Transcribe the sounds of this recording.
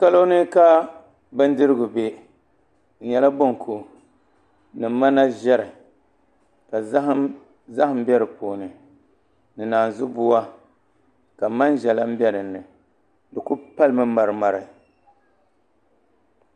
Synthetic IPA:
ka˦lo˦nɨ˦ka˦ | bɨ˦n˦dɨ˦ɾɨ˦ɡʊ˨be˦ | n̩˨ɲɛ˦la˦bo˦ŋ˨kʰu˨ | nɨ˨˦ma˦na˦ʒɛ˦ɾɨ˨ | ka˨˦h | za˦hɨ˨m̩˦bɛ˦ɾɨ˨poː˨nɨ˨ | nɨ˨naː˨n˨zʊ˦bʊ˦wa˦ | ka˨ma˦nʒɛ˨la˦m̩˦bɛ˦nɨ˨nːɨ˨ | dɨ˨ku˦pa˦lmɨ˦ma˨ɾɨ˨ma˨ɾɨ˨

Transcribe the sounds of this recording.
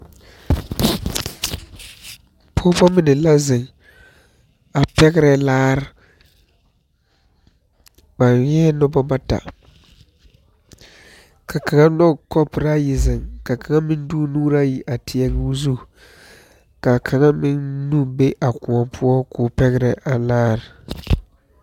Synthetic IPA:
pʰʊː˦pɔ˦mɪ˦nɪ˨la˦zɪ˨ŋ | a˨pɛ˦ɡɪ˦ɾɛ˨laː˦ɾɪ˦ | ba˨njɛː˦nʊ˦bɔ˦ba˦ta̰˨ | kʰa˨ka˨ŋa˦nɔ˦kɔ˦pɾa˦jɪ˨zɪ˨ŋka˨ka˨ŋa˦mɪ˦nduː˦nuː˦ɾa˦ji˨ʔa˨tʰɪ˨ɛ˨ɡzu˦ | ka˨kʰa˨ŋa˦mɪ˦nnu˦be˦ʔa˨kʊ˨ɔ˨pʰʊ˦ɔ˦kʊː˨pɛ˦ɣɪ˦ɾɛ˨ʔa˨laː˦ɾɪ˨

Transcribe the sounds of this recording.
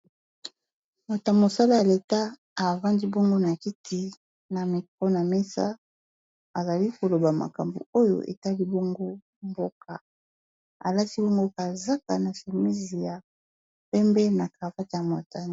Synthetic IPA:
mo˨ta˨mo˨sa˦la˦ja˨le˨ta˦ | a˨va˦ndi˦bɔ˦ŋɡo˦na˨ki˦tʰi˦ | na˨mi˨ko˦na˨me˦sa̰˦ | a˨za˨li˦ko˨lo˨ba˨ma̰˨ka˨mbṵ˨o˦jo̰˦ʔḛ˨ta˦li˦bɔ˦ŋɡo˦ | mbo˦ka˨ | a̰˨la˦ti˦bɔ˦ŋɡo˦ka˨za˦ka˨na˨ʃi˨mi˦zi˨ja˨ | pɛ˦mbɛ˦na˨ka˨va˦ta˨ma˨ta˨

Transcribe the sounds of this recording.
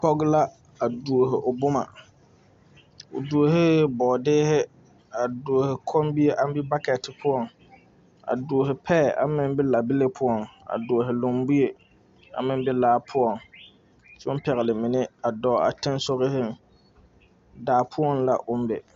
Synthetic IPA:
pɔ˦ɡla˦ | a˨du˨o˨ɦɪ˨ʔʊ˨bʊ˦ma̰˨ | ʊ̰˨du˨o˨ɦɪ˦bɔ˨dɪː˦hɪ˦ | a˨du˨o˨hɪ˨kʰɔ˦m˦bi˦e˦ʔa˦m˦bɪ˦ba˦kɛ˨tɪ˨pʰʊ˦ɔ˦˨ŋ | a̰˨du˨o˨ɦɪ˨pʰɛ˦˨ʔa̰˨mɪ˦m˦bɪ˦la˨bɪ˦lɪ˦pʰʊ˦ɔ˨ŋa̰˨dʊ˨o˨ɦɪ˨lo˨mbu˦je˨ | a̰˨mɪ˦m˦bɪ˦laː˦pʰʊ˦ɔ˨ŋ | sɛ˦ʊ˦m˦pɛ˨ɣɛ˨lɪ˨mɪ˨nɪ˦a˨dɔ˨˦a̰˨tɪ˦n˦so˦ɣɪ˦hɪ˦˨ | daː˨pʰʊ˦ɔ˦nla̰˦ʔʊ˦m˦bɪ̰˨

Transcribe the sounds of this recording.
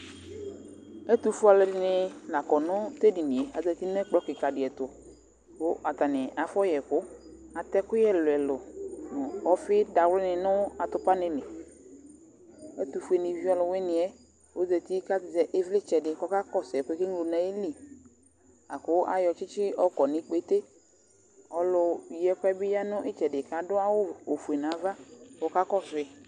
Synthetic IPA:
ɛ˦t̪u˨fu˦a˨lɛ˨dɪ˨nɪ˨la˨kɔ˨nʊ̃˦te˦dɪ˨nɪ̃˨e˨a˨d͡zɛ˨t̪i˦nɛ˦k͡plɔ˨˦kɪ˨ka˨dɪ˨ɛ˨tʊ˨ | kʊ˦ʔa˨t̪a˨nɪ̃˨a˨fɔ˦jɛ˨kʊ˦ | a˨t̪ɛ˦kʊ˦jɛ˦˨lʊ˨ɛ˨lʊ˨nʊ̃˨ɔ˦fɪ˦da˨wlɪ˦nɪ̃˨nʊ˦a˨t̪ʊ˦pa˦nɪ̃˦nɪ̃˨ | ɛ˦t̪u˨fu˨˦e˨nɪ˨vi˦ɔ˦lʊ˨we˦nɪ̃˨ɛ˦ | wo˨˦zɛ˨t̪i˦ka˦tɪ˨zɛ˨ʔɪ˦vlɪ˦t͡ʃɛ˨dɪ˨kɔ˦ka˦kɔ˦sɛ˨kʊ˦e˦kɪ˦ŋlo˨nã˨˦e˦li˨ | a˨kʊ˨˦a̰˨jɔ˨t͡ʃɪ˦t͡ʃɪ˦ɔ˦kɔ˨nɪ̃˨k͡pe˨˦t̪e˦ | ɔ˨lʊ˨˧jɛ˦kʊ˦ɛ˦bɪ˦ja˦nʊ̃˦ʔɪ˦t͡ʃɛ˨dɪ˨ka˨dʊ˦a˦wʊ˦o˨fu˨e˨nã˨˦va˦kɔ˦ka˦kɔ˦fɪ˦

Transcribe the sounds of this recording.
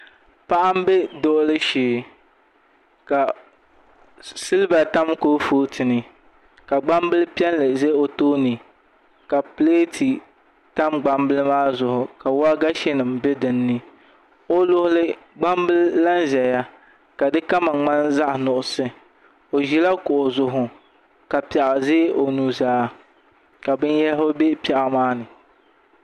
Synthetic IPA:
pa˦ʔa˦m˦bɛ˦do˦ʔʊ˦lɨ˦ʃeː˨ | ka˨ | sɨ˦lba˨ta˦mkoː˦foː˦tɨ˨nɨ˨ | ka˨ɡ͡ba˦mbɨ˦lɨ˦pi˦ɛ˦nlɨ˨ze˦o˨toː˦nɨ˨ | ka˨ple˦tʰi˨ | ta˦mɡ͡ba˦mbɨ˦lɨ˦maː˦zʊ˨hʊ˨ka˨wa˦ɡa˦ʃɛ˦nɨ˨mbɛ˦dɨ˨nːɨ˦ | o˦lʊ˦hʊ˦lɨ˦ɡ͡ba˦mbɨ˦lla˦nʒɛ˨ja˦ | ka˨dɨ˦ka˦ma˨ŋ͡ma˦nza˦ʔnʊ˨ʔʊ˨sɨ˦ | o˨ʒi˨la˦kʊ˨ʔo˨zʊ˨ɦʊ˨ | ka˨pi˨ɛ˨ʔɪ˨ze˦ʔo˨nuː˨zaː˦ | ka˨bɨ˦njɛ˦lo˦be˦pɛ˨ʔmaː˦nɨ˨

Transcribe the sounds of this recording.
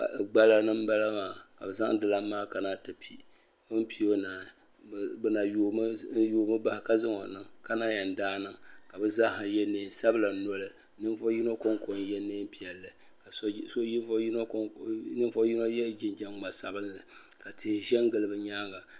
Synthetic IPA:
a̰˨ɡ͡ba˦la˨nɨ˦m˦ba˦la˦maː˨ka˨bɛ˨za̰˦ŋ˦dɨ˨la˦maː˦ka˨naː˦tɨ˨pʰi˦ | o˦m̩˦pi˦o˦naː˨ | bɨ˦na˨jo˦joː˦mɨ˦ba˦hka˦zɨ˦ŋo˨nɨ˦ŋka˦na˦jɛ˨n˨daː˦nɨ˦ŋka˨bɨ˦za˦ha˨jɛ˦neː˨˦˨n˨sa˦bɨ˦la˨nɔ˦lɨ˦˨ | nɨ˦fo˦ji˦no˦ko˦ŋko˨n˦jɛ˦neː˦m˦pi˨ɛ˨lːɨ˨ | ka˨˦so˦i˦no˦knɨ˦fo˦ji˦no˦jɛ˦d͡ʒɪ˦nd͡ʒɛ˦ŋŋ͡ma˨sa˨bɨ˦lnɨ˨ | ka˨tʰeː˨ʒɛ˦ŋ˦ɡɨ˨lɨ˨bɨ˨ɲaː˦ŋa˨

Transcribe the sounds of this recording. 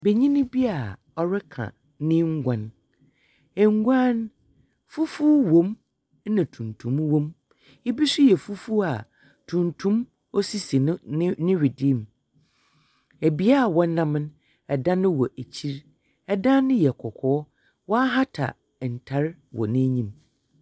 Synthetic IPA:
be˨ɲĩ˦nɪ̃˦bi˦a˨ | ɔ˦ɾɪ˦kʰã̰˨ | nɪ̃˦ŋ̩˦ɡʷã˨n | ɛ˨ŋ˦ɡu˦ã˦n | fʊ˦fu˦wõ˨˦m˦ | nã˨tʰũ˨ntʰũ˨mwɔ̃˦m | e˦bi˦sʊ˦jɛ˨fu˦fu˦a˨ | tʰũ˨ntʰũ˦m | ɔ˦si˦si˨˦nɪ̃˦ɥi˨di˦˨m˨ | æ˨bi˦a˦˨wɔ̃˦nː˦ã˦m̃˦n | ɛ˨dã˦nɪ̃˦wɔ˨ʔæ˨t͡ɕʰi˦ɾ | ɛ˦dã˦nɪ̃˦jɛ˨kʰɔ˨kʰɔː˨˦ | wɔ˦a˦ɦa˦tʰa̰˨ | n̩˨tʰa˨˦ɾwɔ̰˨nɪ̃˦ɲĩ˦m

